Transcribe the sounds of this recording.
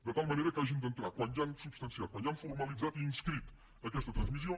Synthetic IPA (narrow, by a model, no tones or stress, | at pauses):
d̪ət̪alˠməneɾəkaʒind̪ənt̪ɾakwand̪ʒansubst̪ənsiat̪̚kwãnanfuɾməlˠid͡zat̪iːnskɾit̪ | əkɛst̪ət̪ɾənzmisio